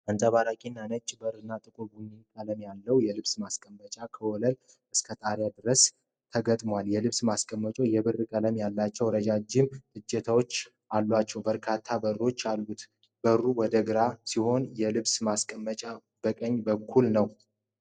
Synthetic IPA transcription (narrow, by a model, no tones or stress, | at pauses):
ʔənt̪ʼəβaɾakʼinːanət͡ʃʼːbəɾɨnːat̪ʼɨkʼubunikʼələmjalːəwjɛlɨβsmaskʼəmːət͡ʃʼakʰəwɔləl | ʔɨskʰət̪ʼaɾjad̪ɨɾəs | t̪ʰəɡət̪ʼmwaljɛlɨβsmaskʼəmːət͡ʃʼo̞jɛβɨrɨkʼələmjalːat͡ʃːɛwɾəd͡ʒad͡ʒɪmɨd͡ʒːɛt̪ʰawot͡ʃː | ʔalːat͡ʃːɛwbəɾkʰat̪ʰːabərːo̞t͡ʃːalːut̪ | b̥ərːuwɔd̪əɡɨɾasiho̞njɛlɨβsmaskʼəmːət͡ʃʼa | b̥əkʼəɲːbəkʰːulnəw